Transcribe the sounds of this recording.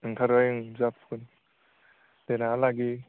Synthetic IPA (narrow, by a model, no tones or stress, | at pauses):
ɯŋtʰaɾɡajɯŋzap̚kʰɯn | tenalaɡi